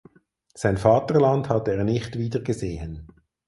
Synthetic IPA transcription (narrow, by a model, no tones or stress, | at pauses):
saɪnfɑːtəʁlɑndhɑteːʁnɪχtviːdəʁɡəzeːən